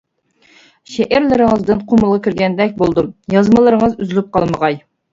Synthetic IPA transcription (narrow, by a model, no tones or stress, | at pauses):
ʃɛʔæɾlɪɾɪŋəzd̪ɨnqʰoməlˠʁɑkʲyɾɡʲɛnd̪ɛk̚ʲbolˠd̪ujɑzməlˠəɾɨŋəzyzylyp̚qɑlˠməʁɑj